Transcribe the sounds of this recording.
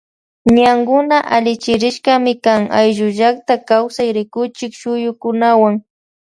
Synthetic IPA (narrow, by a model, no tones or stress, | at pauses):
ɲaŋɡʊnaʔalɪt͡ʃɪɾɪʃkamɪkaŋa̰jʒʊʒakt̪akawsajɾɪkʊt͡ʃɪkʃʊjʊkʊnawaŋ